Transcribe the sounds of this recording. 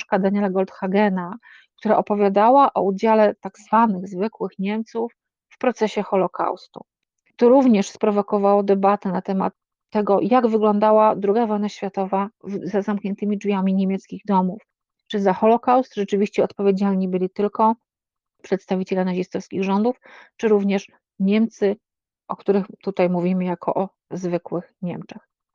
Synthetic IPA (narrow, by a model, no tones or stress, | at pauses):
kad̪aɲalaɡɔlt̪xaɡɛna | kt̪uɾaʔɔpɔvʲjad̪awaʔɔ̰ud͡ʑalɛt̪aɡzvanɘɣzvɘkwɘxɲɛmt̪sufː | pɾɔt̪sɛɕɛxɔlɔka̰wst̪ṵ | t̪ɔɾuvɲɛʂspɾɔvɔkɔvawɔd̪ɛbat̪ɛnat̪ɛma̰t̪ː | ɛɡɔjaɡvɘɡlɔnd̪awad̪ɾuɡavɔjnaɕfʲjat̪ɔvazazamkɲɛnt̪ɘmʲid͡ʐvʲjamʲiɲemʲjɛt̪skʲiɣd̪ɔmuf | t͡ʂɘzaxɔlɔkawst̪ʐɛt͡ʂɘvʲiɕt͡ɕɛɔt̪pɔvʲjed͡ʑalɲibɘlʲit̪ɘlkɔ | pʂɛt̪st̪avʲit͡ɕɛlʲanaʑist̪ɔfskʲiɣʐɔnd̪uft͡ʂɘɾuvɲɛʂ | ɲɛmt̪sɘ | ʔɔkt̪uɾɘxt̪ut̪ajmuvʲimɘjakʰɔ̰ʔɔ | zvɘkwɘxɲɛmt͡ʂɛx